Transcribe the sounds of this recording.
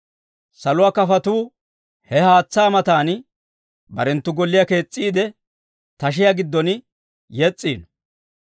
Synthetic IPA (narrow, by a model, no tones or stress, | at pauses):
sɐlʊwaːkɐfɐt̪uː | hɛhaːt͡sːaːmɐt̪aːn | bɐɾɛnt̪ːʊɡɔlːɪjake̞ːt͡sʼːiːd̪ɛ | t̪ɐʃ̬ɪjaɡɪd̪ːɔn | jɛt͡sʼːiːn